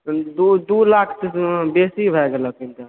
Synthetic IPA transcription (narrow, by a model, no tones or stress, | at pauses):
d̪ud̪ulakʰsibesibʱɛɡeləkint̪a